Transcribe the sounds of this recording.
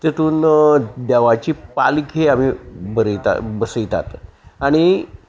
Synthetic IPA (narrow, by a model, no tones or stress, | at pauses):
t̪et̪uːnd̪ɛʋat͡ɕiːpalikʰeam̤ibəɾəjt̪a̰bəsəjt̪a̰t̪aɽ̃i